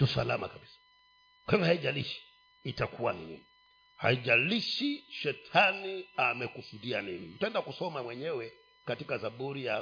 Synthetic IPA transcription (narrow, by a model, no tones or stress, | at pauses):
tusa̰la̰ma̰kabisḁ | kwɛŋahaiʄaliʃi̥ː | takuwa̰ninḭni | ha̰iʄaliʃiʃɛtʰaniamɛkusuɗianḭnḭm̩pɛndakusɔmamwɛɲɛwɛ | katikazaɓuɾija